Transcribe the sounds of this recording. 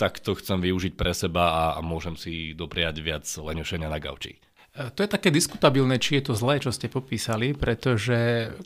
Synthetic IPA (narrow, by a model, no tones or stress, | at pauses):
t̪akt̪ɔxt͡sɛmʋiuʒic̚pɾɛsɛbaamʊɔʒɛmsid̪ɔpɾɛaɟʋɪad͡zlɛɲuʃɛɲɪanaɡa̰ʊt͡ʃḭ | t̪ɔjɛt̪akɛːd̪isku̥t̪abilnɛt͡ʃijɛt̪ɔzlɛːt͡ʃɔscɛpɔpiːsalipɾɛt̪ɔʒɛ